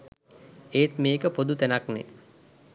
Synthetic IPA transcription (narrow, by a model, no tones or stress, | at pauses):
eːt̪meːkəpod̪ut̪ænaknḛ